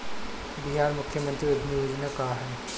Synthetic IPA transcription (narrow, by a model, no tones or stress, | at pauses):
biɦaːɾmʊkʰːjəmɐ̃nt̪ɾiʊɾbʱniɾinɐkaːɦən